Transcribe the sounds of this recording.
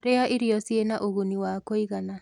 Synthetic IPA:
ɾeaʔiɾiɔsjenaʔoɣuniwakoiɣana

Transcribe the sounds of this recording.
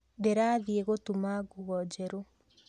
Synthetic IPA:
deɾaːðieɣotumaɡuɣɔd͡ʒɛɾo

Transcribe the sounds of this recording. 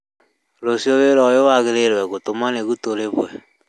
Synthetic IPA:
losioβeɾɔjowaɣeɾeɾwɛɣotomaneɣutoɾeβwɛ

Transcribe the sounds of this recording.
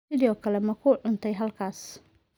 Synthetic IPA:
ɪðɪɔkʰɐlɛmɐkʰuːɖʊnt̪ʰɛjɦɐlkʰaːs

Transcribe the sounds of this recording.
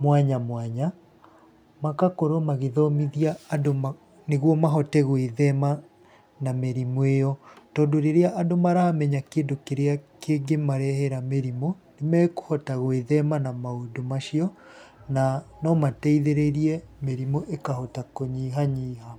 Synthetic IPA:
mwaɲamwaɲa | makakoɾomaɣeðɔmiðiaːdoma | neɣwɔmaɦɔtɛɣweðɛma | nameɾimwejɔtɔːndoɾeɾeaʔadomaɾaamɛɲakeːndokeɾeakeːŋɡemaɾɛhɛɾameɾimonemɛːko̥hɔtaɣweðɛmanamaodomaʃiɔ | nanɔmatɛiðeɾeɾiɛmeɾimoʔekahɔtakoɲiːɦaɲiːɦa

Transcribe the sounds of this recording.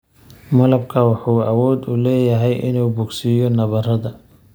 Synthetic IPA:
mɐlɐbkʰɐwɑħuːɐwɔːd̪ʊlɛːjɐɦɛjʔɪ̰nuːbʊɡsɪjɔnɐβɐrɐðɐ

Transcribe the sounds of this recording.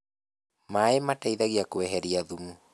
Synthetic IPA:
maemataiðaɣiakoɛɦɛɾiaðumu

